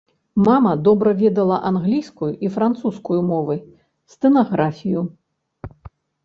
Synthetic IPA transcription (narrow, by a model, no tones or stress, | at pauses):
mamɐd̪ɔbɾɐvʲɛd̪ɐlˠɐʔanɣlʲijskujuʔifɾant̪suskujumɔvɨ | st̪ɨnaɣɾafʲiju